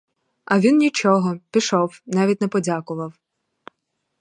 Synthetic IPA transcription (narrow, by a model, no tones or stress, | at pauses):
ɐʋʲinnʲit͡ʃɔɦɔpʲiʃɔwnɑʋʲitʲnɛpɔdʲakʊʋɐw